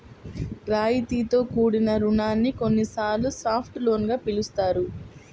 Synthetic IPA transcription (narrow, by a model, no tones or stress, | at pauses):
ɾaːjit̪iːt̪o̞ːkuːɽinɐɾuɳaːnːiko̞nːisaːɾlːusaːpʰʈlo̞ːnɡaːpilust̪aːɾu